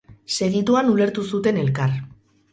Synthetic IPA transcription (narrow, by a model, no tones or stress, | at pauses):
se̞ɣit̪uanule̞ɾt̪usut̪e̞ne̞lkar